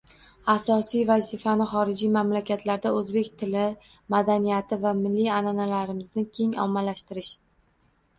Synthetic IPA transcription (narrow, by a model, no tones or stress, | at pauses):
asɒsijvazɪfanɪχɒɾɪd͡ʒijmamlakʲʰat̪laɾd̪aɵzbe̞kʲt̪ʰɪlɪ | mad̪anijat̪ʰɪvamɪlːijananalaɾɪmɪznɪkʲʰe̞ŋɒ̰mːalaʃt̪ɪɾɪʃ